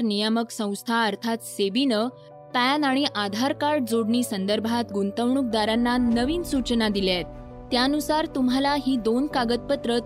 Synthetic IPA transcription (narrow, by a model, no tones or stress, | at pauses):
ɾnijəməksə̃w̃st̪ʰaəɾt̪ʰat̪sebinə | pænaɽ̃iʔad̪ʱaɾkaɾʈ̚d͡zoɽɳiːsənd̪əɾbʱat̪ɡunt̪əʋɳuk̚d̪aɾanːanəʋiːnsut͡ɕnad̪iljat̪ː | jaənusaɾt̪um̤alaɦiːd̪onkaɡət̪̚pət̪ɾə